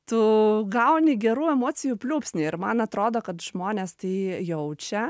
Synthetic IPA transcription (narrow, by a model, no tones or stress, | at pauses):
t̪ʊɡɐʊnʲɪɡʲɛɾuːɛmoːt͡ssʲɪjuːpʲlʲuːpʲsʲnʲɪɪɾmɐnɐt̪ɾoːd̪oːkɐt̪ʒ̥moːnʲeːst̪ɐɪjɛʊt͡ʃʲɛ